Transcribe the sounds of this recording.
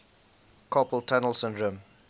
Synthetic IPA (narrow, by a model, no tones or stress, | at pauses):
kʰɔpəltʰanəlˠsɪ̃ndɹə̃m